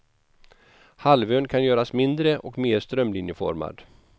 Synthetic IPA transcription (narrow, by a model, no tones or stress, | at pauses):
halvøːnkʰanjœːɾasmɪnd̪ɾəʔɔkmeːɾʂt̪ɾœmlɪnjəfɔ̰ɾma̰d̪